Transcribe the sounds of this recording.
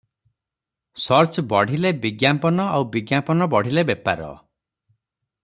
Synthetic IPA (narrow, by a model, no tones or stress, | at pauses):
sɔɾt͡ʃbɔɽ̤ilebiɡjampɔnɔawbiɡjampɔnɔbɔɽ̤ilebepa̰ɾɔ̰